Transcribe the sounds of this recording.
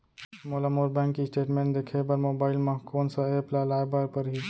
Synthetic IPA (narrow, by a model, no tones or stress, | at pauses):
moːlamoːɾbɛ̃ːŋkːiɪsʈeːʈmẽːnʈd̪ekʰebəɾmoːbaːɪlmãkoːnsaeːplalaːjbaɾpəɾɦi